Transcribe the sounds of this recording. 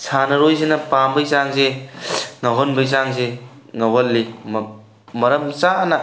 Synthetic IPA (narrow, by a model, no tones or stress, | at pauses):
sʰanɐɾojzenɐpambɐjzaŋze | ŋɐɦonbɐjzaŋzeŋɐwɐlːim | mɐɾɐmsanɐ